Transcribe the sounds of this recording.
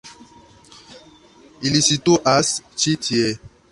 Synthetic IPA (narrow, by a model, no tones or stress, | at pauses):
ilisitoʔast͡ʃitʰiɛ